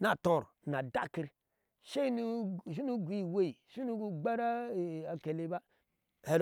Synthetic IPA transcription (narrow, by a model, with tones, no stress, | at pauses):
na˨tõ˨ɾna˨da̰˦˨ki˦ɾ | ʃe˦nu˦˨ʃ̬i˦nu˦ɡʷi˦˨we˦˨i˨ʃi˦nu˦ɡu˦ɡ͡ba˦ɾa˦˨a˨ke˨le˦ba˦ | he˨ɾ